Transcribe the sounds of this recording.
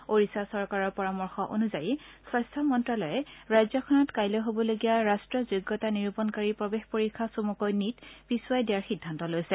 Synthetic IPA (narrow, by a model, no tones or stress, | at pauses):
oɹisasɔɹkaɹɔɹpɔɹamɔɹxɔʔo̰nuzajisɔjstʰamɔntɹalɔjɛɹajzɔkʰɔnɔtkajlɔɦobɔloɡijaɹastɹɔzoɡːɔtaniɹupɔnkaɹipɔbexpoɹikʰːasomukojnitpisuajdijaɹxidʱːantɔlojsɛ